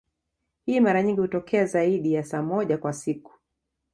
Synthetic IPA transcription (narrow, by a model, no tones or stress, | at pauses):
hiːmaɾaɲiŋɡihutɔkʰɛazaiɗijasaːmɔʄakwasiku̥